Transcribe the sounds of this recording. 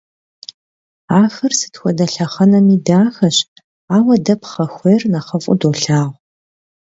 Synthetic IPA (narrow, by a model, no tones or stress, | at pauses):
aːfɨrsɨ̥txʷɔdɐɬɐχɐnɐmiːdaːxɐɕ | aːwɐdɐpχɐxʷejrnaχɐfʼʊ̰doːɬaːʁ